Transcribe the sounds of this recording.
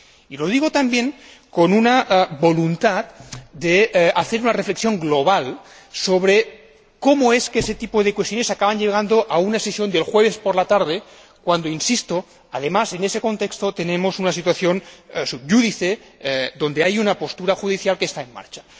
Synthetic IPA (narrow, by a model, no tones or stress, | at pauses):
ilo̞ð̞iɣ̞ot̪ambjeŋkonunaʔbo̞lunt̪at̪̚d̪eaθeɾunarefle̞ksjo̞ŋɡloβ̞al | soβɾe | komoeskeeset̪ipoðekwest̪jone̞sakaβanʎeɣ̞and̪oʔaunaesesjo̞nd̪e̞lxweβ̞espoɾlat̪aɾðe | kwand̪oinsist̪o | aðemase̞neseko̞nt̪ekst̪ot̪e̞nẽmosunasit̪waθjo̞nsubʝuðiθeðo̞nd̪eajunapo̞st̪uɾaxuð̞iθjalkeːst̪aenma̰ɾt͡ʃḁ